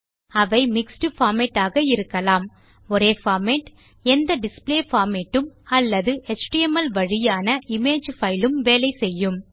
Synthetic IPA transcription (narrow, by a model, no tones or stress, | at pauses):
ɐʋɐɪmɪksʈɯfaːmɛʈːaːɣɐɪɾɯkːɐlaːm | ɔɾeːfaːmeʈ | ɛnd̪ɐɖɪspleːfaːmeʈːɯmɐlːɐðɯʔɛt͡ʃʈiɛmɐlʋɐɻɪjaːnɐʔɪmeːd͡ʒfɐɪlɯmʋeːlɐɪsɛjːɯm